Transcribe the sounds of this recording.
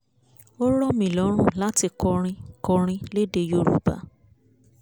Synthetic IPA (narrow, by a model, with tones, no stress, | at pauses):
o˦ɾɔ˦mĩ˨lɔ˨˦ɾ̃ũ˦˨la˦ti˧kɔ˧ɾ̃ĩ˧kɔ˧ɾ̃ĩ˧le˦de˧jo˦˨ɾṵ˨˦ba̰˨˧˦